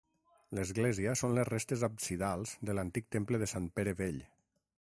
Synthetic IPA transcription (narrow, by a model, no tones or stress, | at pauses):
ləzɣleziəsonləzrest̪ezapsiðalˠz̥ðələnt̪ik̚t̪empləðəsampeɾəβeʎ